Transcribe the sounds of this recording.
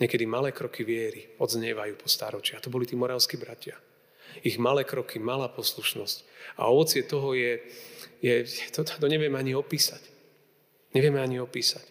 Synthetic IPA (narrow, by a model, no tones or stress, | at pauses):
ɲɛkɛd̪imalɛːkɾɔkʰiʋɪɛɾiɔd̪zɲɛʋajuːpɔst̪a̰ɾɔt͡ʃɪat̪ɔbɔlit̪iːmɔɾaʊskibɾacɪa | iɣmalɛːkɾɔkimalaːpɔsluʃnɔsca̰ɔʋɔt͡sɪɛt̪ɔɦɔjɛjɛt̪ɔt̪t̪ɔɲɛʋɪɛmɛaɲiɔpiːsac | ɲɛʋɪɛmɛaɲiɔpiːsac